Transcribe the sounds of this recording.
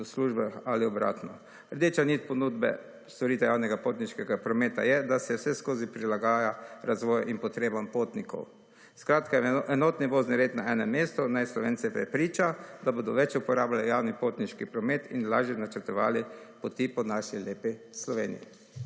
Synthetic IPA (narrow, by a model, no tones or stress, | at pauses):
sluʒbaxaliɔbɾa̰ːt̪nɔ | əɾd̪eːt͡ʃanit̪̚pɔnud̪bɛ̰ | st̪ɔɾiːt̪ɛjaːwnɛɡapoːt̪niʃkɛɡapɾɔmeːt̪a̰jɛd̪asɛwsɛskoːzipɾilaɡaːjaɾazʋɔːjaʔinpɔt̪ɾeːbampot̪nikɔ̰w | skɾaːt̪kaɛɛnoːt̪niʋoːzniɾeːt̪naɛnɛmːeːst̪ɔnajslɔʋeːnsɛpɾɛ̰pɾiːt͡ʃad̪aboːd̪ɔʋɛt͡ʃupɔɾaːblalijawnipot̪niʃkipɾɔmeːt̪inlaːʒjɛnat͡ʃəɾt̪ɔʋa̰ːlipɔt̪ipɔnaʃileːpi | slɔʋeːnḭjḭ